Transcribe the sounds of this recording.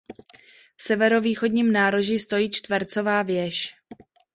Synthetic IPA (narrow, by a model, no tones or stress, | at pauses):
fsɛvɛɾo̞viːxo̞dɲiːmnaːɾo̞ʒist̪o̞jiːt͡ʃt̪vɛɾt͡so̞vaːvjɛʃ